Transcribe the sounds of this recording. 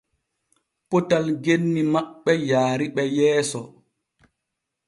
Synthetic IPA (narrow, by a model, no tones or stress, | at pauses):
pɔtalɡenːimaɓːɛjaːɾiɓɛjɛːsɔ